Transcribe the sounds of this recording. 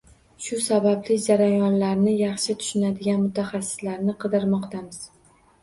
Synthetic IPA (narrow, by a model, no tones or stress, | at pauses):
ʃʊsabablɪd͡ʒaɾajɒnlaɾnɪjɑχʃɪt̪ʰʊ̥ʃɪnad̪ɪɡʲanmʊt̪ʰaχɑsːɪ̥slaɾnɪqʰɨd̪ɪɾmɒqt̪ʰamɪz̥